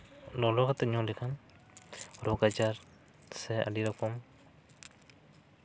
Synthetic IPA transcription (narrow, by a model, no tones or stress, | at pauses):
lɔlɔkat̪ɛɲɔlikʰan | ɾɔɡad͡ʒaɾ | sɛa̰diɾɔkɔm